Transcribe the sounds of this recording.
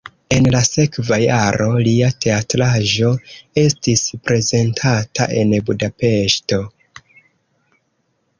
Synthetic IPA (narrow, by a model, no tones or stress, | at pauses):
e̞nlase̞kvajaɾo̞liatʰe̞atɾaʒo̞e̞stispɾe̞ze̞ntʰata̰ʔe̞̰nbudape̞ʃto̞